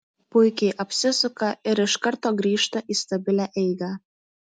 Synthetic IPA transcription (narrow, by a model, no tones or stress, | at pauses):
pʊɪkʲeɪʔɐpʲsʲɪsʊkɐɪɾɪʃkɐɾt̪oːɡɾʲiːʃt̪ɐʔiːst̪ɐbʲɪlʲæʔɛɪɡɑ